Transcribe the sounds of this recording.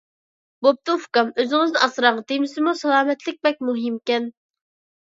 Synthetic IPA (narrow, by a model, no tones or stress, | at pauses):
bop̚t̪ʰuufkɑmøzɪŋɪznɨɑsɾɑʁɑt̪ejmɪsɪmusɑlˠɑːmɛt̪lɪk̚ʲbɛk̚ʲmuɦɪmkʲɛn